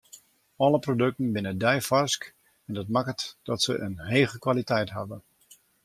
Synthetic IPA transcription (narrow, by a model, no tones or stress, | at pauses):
ɔləprodɵk̚tən̩bɪnədɛjfɔrsk | ɛndɑtmakətd̥ɔtsə̰ʔənɦeːɣəkʋalitɛjtɦa̰və